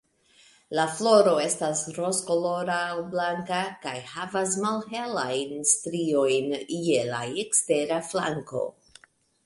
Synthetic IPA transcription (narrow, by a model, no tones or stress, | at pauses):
laflo̞ɾo̞e̞stasɾoskolo̞ɾaːwblaŋkakajhavasmalɦe̞lajnstɾio̞jnjela̰ekste̞ɾafla̰ŋko̞̰